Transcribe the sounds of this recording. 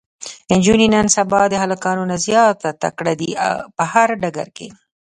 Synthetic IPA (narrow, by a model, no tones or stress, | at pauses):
ɪnd͡ʒuninansabɑd̪əɦalakɑnunazjɑt̪at̪a̰kɽad̪ia̰pəhaɾɖaɡaɾke